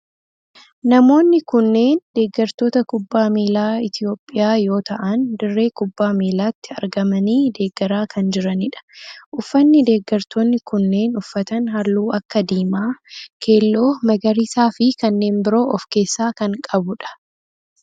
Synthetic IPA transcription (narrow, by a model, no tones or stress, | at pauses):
nɐmo̞ːnːɪkʊnːe̞ːnd̪e̞ːɡːɐɾt̪o̞ːt̪ɐkʊbːaːmiːlaːɪt̪ɪjo̞ːpʼːɪjaːjo̞ːt̪ɐʔɐnd̪ɪrːe̞ːkʊbːaːmiːlaːt̪ːɪɐɾɡɐmɐniːd̪e̞ːɡːɐɾaːkʰɐnd͡ʒɪɾɐnɪᶑɐ̥ʔʊfːɐnːɪd̪eːɡːɐɾt̪ʰoːnːɪkʊnːe̞ːnʊfːɐt̪ɐnhɐlːuːʔɐkːɐd̪iːmaːkʰe̞ːlːo̞ːmɐɡɐɾisaːfɪkɐnːe̞ːnbɪɾo̞ːʔɔfke̞ːsːaːkɐŋkʼɐbʊᶑɐ̥